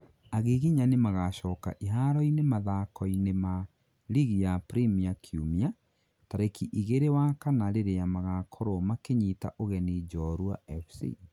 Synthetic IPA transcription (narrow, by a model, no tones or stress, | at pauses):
aɣeɣiɲanemaɣaʃɔːka̰ʔiɦaɾɔinemaðakɔinema | liɣijapɾimiakʰjumia | taɾekiʔiɣeɾewakanaɾeɾejamaɣakʰoɾomakeɲita̰ʔoɣɛnid͡ʒɔɾwa̰ɛfsḭ